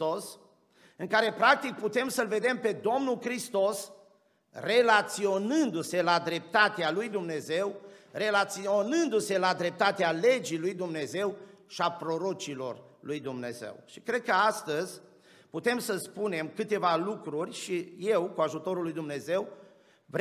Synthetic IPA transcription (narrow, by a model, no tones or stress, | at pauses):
os | ɨŋkaɾe̞pɾak̚t̪ik̚put̪e̞msəlve̞d̪e̞mpe̞d̪o̞mnulkɾist̪o̞s | re̞lat̪sio̞nɨnd̪use̞lad̪ɾe̞p̚t̪at̪ealujd̪umne̞ze̞wre̞lat̪sio̞nɨnd̪use̞lad̪ɾe̞p̚t̪at̪eale̞d͡ʒilujd̪umne̞ze̞wʃiapɾo̞ɾo̞t͡ʃilo̞r | lujd̪umne̞̰zḛwʃikɾe̞d̪̚kəast̪əzʲ | put̪e̞msəspune̞mkɨt̪e̞valukɾurʲʃije̞wkuaʒut̪o̞ɾulːujd̪umne̞ze̞w | v